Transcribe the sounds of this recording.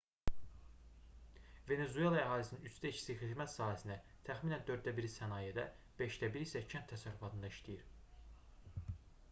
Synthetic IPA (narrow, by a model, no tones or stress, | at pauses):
ve̞ne̞zue̞lˠɑæɦɑːlisininyt͡ʃt̪æit͡ʃʰi̥sixid̪mæt̪sɑːɦhæsinæ | t̪ʰæxminænd̪ø̞ɾd̪̚ːæbiɾisænɑːjed̪æ | b̥e̞ʃd̪æbiɾisæcʰænt̪ʰːæsæɾyfɑt̪ʰɯnd̪ɑiʃt̪ijiɾ